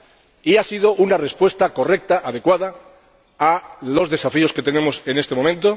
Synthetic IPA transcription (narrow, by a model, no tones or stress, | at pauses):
iasið̞oʔunare̞spwe̞st̪ako̞re̞k̚t̪aʔaðe̞kwaða | alo̞zðe̞safio̞ske̞t̪e̞ne̞mo̞se̞ne̞st̪emo̞mẽ̞nt̪o̞